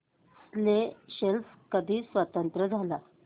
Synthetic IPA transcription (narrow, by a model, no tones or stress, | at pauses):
sleɕelfkəd̪ʱiːsʋət̪ənt̪ɾəd͡zʱala